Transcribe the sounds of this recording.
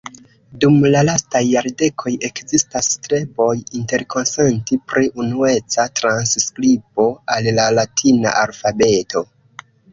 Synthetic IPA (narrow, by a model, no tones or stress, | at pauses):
dumlalastajːaɾde̞kʰo̞je̞kzistastɾe̞bo̞jinte̞ɾko̞nse̞ntipɾiʔunue̞t͡satɾansskɾipo̞allalatʰina̰ʔalfabe̞to̞